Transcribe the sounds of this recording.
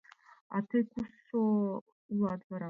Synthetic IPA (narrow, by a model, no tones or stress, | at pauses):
a̰tʰekʰʷuso | uladvaɾa